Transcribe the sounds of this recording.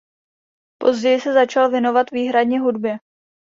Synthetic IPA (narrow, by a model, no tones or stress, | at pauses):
po̞zɟɛjɪsɛzat͡ʃalvjɛno̞vat̪viːɦɾadɲɛɦudbjɛ